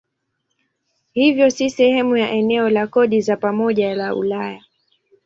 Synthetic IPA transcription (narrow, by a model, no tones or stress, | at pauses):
hivjɔsisɛhɛmujaʔɛnɛɔlakɔɗizapamɔʄalaṵlaja